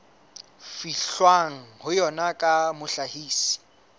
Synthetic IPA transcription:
fiɬwaŋ̩hʊjɔnakʼamʊɬahiːsi̥

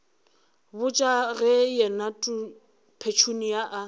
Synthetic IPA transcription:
bʊt͡ʃʼaɣɛjɛnatʼu | pʰet͡ʃʰunijaʔa

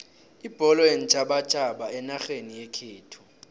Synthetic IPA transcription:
ib̥ʱɔlɔen̩t͡ʃʼaɓḁt͡ʃʼaɓaɛnaxenijɛkʰeːtʰu̥

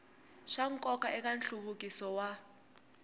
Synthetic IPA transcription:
ʃaŋ̩kʼɔkaʔɛk̬ʼanɬuβukʼisɔwa

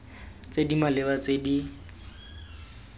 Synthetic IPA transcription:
t͡sedimalɪbat͡sedi

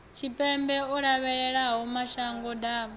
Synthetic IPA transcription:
t͡ʃʰipʼɛmbɛɔɺaβɛɺɛɺaɦumaʃaŋɡɔda

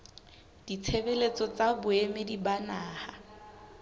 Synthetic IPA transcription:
d̥it͡sʰebelet͡sɔt͡sabʊemedibanaːha

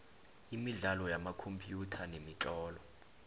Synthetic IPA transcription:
imiɮalɔjamakʰompʼjutʰanemiǁɔːlɔ

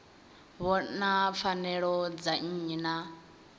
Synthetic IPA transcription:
βɔnap̪fʰanɛɺɔd͡zaɲ̩na

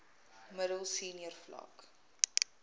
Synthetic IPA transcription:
mədəlˠsiːniərflɐ̰k

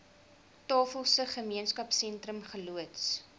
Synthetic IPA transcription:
tɑːfəlˠsəχəmiənskɐpsɛntɾəmχəluəts

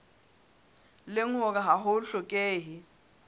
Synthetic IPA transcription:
lɪŋɔk̬aɦaɦʊɬɔkʼeːɦi

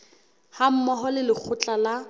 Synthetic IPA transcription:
ham̩mɔɦɔlɪlɪk͡xʰʊt͡ɬʼala

